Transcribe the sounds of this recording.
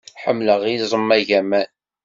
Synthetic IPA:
ħəmːləʁizˤəmːæʝæmæn

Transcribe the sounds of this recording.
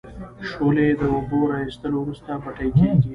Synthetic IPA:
ʃoled̪əwʊboɾɑist̪əlowɾust̪abɐʈəjkeɡi

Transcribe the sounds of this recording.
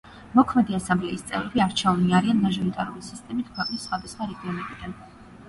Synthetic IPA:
mɔkʰmɛd̪iasãmblɛ̰ist̪sʼɛ̰vɾɛbiaɾt͡ʃʰɛuniaɾianmaʒɔɾit̪ʼaɾulisist̪ʼɛmit̪ʰkʰwɛqʼnisːχwad̪asχwaɾɛɡiɔnɛbid̪an

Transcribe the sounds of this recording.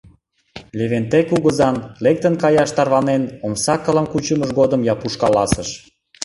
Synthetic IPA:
leβent̪ekuɣəzɑnlek̚t̪ənkɑjɑʃt̪ɑrβɑnenomsɑkːə̆ləmkut͡ɕəməʒɡod̪əmjɑpuʃkɑlɑsəʃ

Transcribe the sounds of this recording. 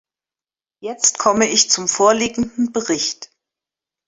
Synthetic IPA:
jɛt͡stkʰɔməɪçt͡sʊmfoːɐliːɡŋ̩dn̩bəʁɪçt

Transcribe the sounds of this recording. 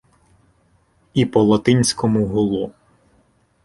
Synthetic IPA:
ipɔlˠɔt̪ɪnʲsʲkɔmuɦʊlˠɔ

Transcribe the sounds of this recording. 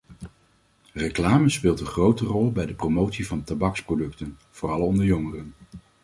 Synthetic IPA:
reklaːməspɪːlˠtənχrowtərɔlˠbɛjdəpromowtsivɑntabɑksprodɵktənv̥oːrɑlˠɔndəɹjɔŋərən

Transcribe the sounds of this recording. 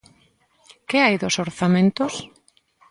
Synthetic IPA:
kɪajðosoɾθamẽnt̪ʊs

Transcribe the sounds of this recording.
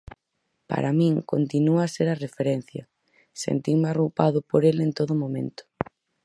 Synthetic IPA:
pa̰ɾamĩŋkont̪inuaseɾɐrefeɾen̟θjɐ | sḛnt̪imɪarupaðʊpoɾelent̪oðʊmõmḛ̃nt̪ʊ̥

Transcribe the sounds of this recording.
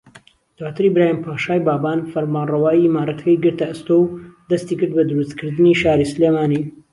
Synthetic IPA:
d̪̥waːt̪ʰɨɾibɾaːjimpʰaːʃaːjbaːbaːnfɐɾmaːnrɐwaːjimaːɾɐt̪ɐ̥kɐjɡɨɾt̪ɐɨst̪owd̪ɐst̪ikɨɾd̪̚bɐd̪ɨɾust̪kʰɨɾd̪ɨniʃaːɾisɨleːmaːni

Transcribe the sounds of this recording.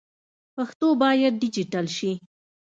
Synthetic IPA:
paxt̪obɑjad̪̚ːɪd͡ʒiʈalʃi

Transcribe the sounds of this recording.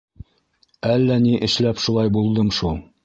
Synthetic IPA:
ælːæniʔɘ̆ʃlæpʃulˠɑjbulˠd̪ɤmʃulˠ

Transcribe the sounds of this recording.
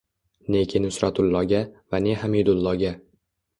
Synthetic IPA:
nekʲʰɪnʊsɾat̪ʊlˠːɒɡʲavaneɦamid̪ʊlˠːɒɡʲa

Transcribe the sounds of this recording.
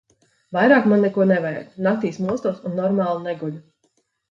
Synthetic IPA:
vajɾaːkmanːekuɔnɛvɛjd̪nak̚t̪iːsmuɔst̪uɔsunːɔɾmaːlˠunɛɡulʲu

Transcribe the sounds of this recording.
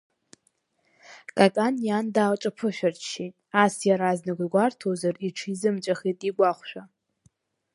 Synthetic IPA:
kʼakʼanjandaːlʈ͡ʂʼapʰɨʃʷᶣart͡ʃʃitʼasjaɾaznɨɡʷɡʷartʰozariʈ͡ʂʰizɨmt͡ʃʷʼaχitʼiɡʷaχʷʃᶣa

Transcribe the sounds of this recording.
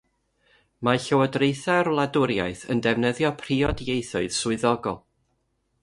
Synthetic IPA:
maɬəwɔdrejθarlˠadʊɾja̰jθə̰ndɛvnəðjɔpʰr̥iɔdjejθʊɨð̥sʊɨðɔɡɔlˠ

